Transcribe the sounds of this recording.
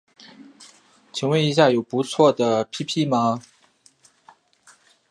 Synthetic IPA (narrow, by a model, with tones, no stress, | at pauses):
t͡ɕʰi˨˩ŋwe˧˥ɪi˧˥ɕ̬ja˥˩jo˨˩ʊpu˧˥t͡sʰwɔ˥˩d̪ə˩pʰi˥pʰi˥˩mɐ˨